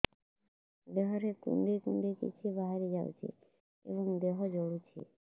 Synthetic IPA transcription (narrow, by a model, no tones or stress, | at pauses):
d̪eɦɔɾekṵɳɖekuɳɖekḭt͡ʃʰibaɦeɾed͡ʒawt͡ʃʰḛ | ḛbɔŋd̪eɦɔd͡ʒɔɽut͡ʃʰḛ